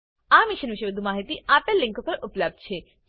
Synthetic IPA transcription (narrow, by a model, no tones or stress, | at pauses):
amiʃənʋiʃeʋəd̪ʱumaɦit̪iapalːɪ̃ŋkopəɾʔupləb̚d̪̚t͡ʃʰe